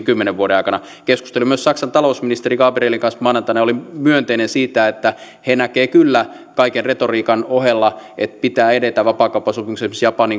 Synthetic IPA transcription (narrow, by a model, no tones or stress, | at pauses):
kymːeneʋʋuoɾenɑ̰ikɑnɑ | kesku̥st̪elimyøssɑksɑnt̪ɑlousminist̪erikɑːpereːliŋkɑnsmɑːnɑnt̪ɑnɑjolimyønt̪einensiːt̪æet̪ːæ | henækeːkylːæ | kɑikenret̪oriːkɑnohelːɑet̪pit̪æːedet̪æʋɑpɑːkɑupːɑsupimusesmsjɑpɑniŋ